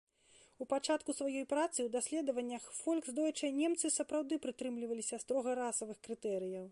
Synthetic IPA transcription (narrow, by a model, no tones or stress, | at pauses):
upat͡ʂat̪kusvajɔjpɾat̪sɨwd̪asʲlʲɛd̪ɐvɐnʲːɐxfɔlʲkzd̪ɔjɛt͡ʂɐnʲɛmt̪sɨsɐpɾawd̪ɨpɾɨt̪ɾɨmlʲivɐlʲisʲɐst̪ɾɔɣɐɾasɐvɨxkɾɨt̪ɛɾɨjɐw